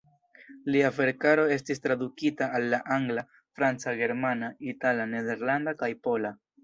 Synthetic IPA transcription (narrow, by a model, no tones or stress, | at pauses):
liave̞ɾkaɾo̞e̞stis̬tɾadukitaːlːaʔaŋɡla | fɾant͡saɡe̞ɾmanaitalane̞de̞ɾlandakajpo̞la